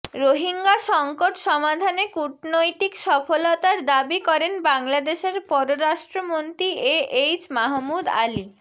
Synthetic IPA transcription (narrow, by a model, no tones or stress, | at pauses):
ɾoɦiŋɡaʃɔŋkoʈʃɔmad̪ʱanekuʈnojt̪ikʃɔfolot̪aɾd̪abikɔɾenbaŋlad̪eʃeɾpɔɾoɾaʃʈɾomont̪ɾieejt͡ɕmaɦmud̪a̰li